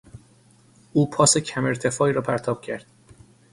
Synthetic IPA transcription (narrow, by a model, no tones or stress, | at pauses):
uːpʰɒːsecʰæme̞ɾt̪ʰe̞fɒːiːɾɒːpʰæɾt̪ʰɒːb̥cʰæɾd̪̥